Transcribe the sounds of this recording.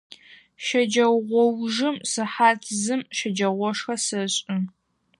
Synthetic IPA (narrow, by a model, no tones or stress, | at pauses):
ʃɐd͡ʒɐwʁʷɔwʒɨmsɨħaːtʰzɨmʃɐd͡ʒɐʁʷɔʂxɐsɨɕʼɪ